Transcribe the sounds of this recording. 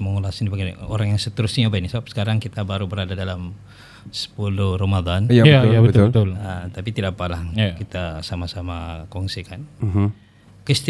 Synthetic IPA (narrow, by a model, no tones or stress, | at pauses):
məŋulasndibaɡio̰ɾaŋjaŋsət̪əɾʊsɲiabainisəbap̚sə̥kaɾaŋkit̪abaɾubəɾadadalam | sə̥pulʊhrəmad̪anaaabət̪t̪ʊlət̪apit̪idapalahkit̪asamasamakɔŋsikan | kɾist̪